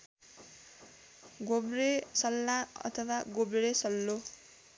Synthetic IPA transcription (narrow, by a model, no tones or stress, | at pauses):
ɡobɾesʌlːaʌ̰t̪ʰʌwaɡobɾesʌlːo